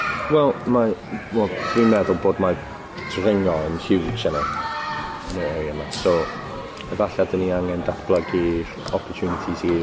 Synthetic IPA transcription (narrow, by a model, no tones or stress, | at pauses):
wɛlˠmawɛlˠdwinmɛðʊlˠboːdma | tʰrɪŋɔənɬɪwt͡ʃana | əneəjəmaso | əvaɬadəniaŋɛndaθb̥lˠəɡi | ɔpʰɔrtʰjuːnɪtʰisii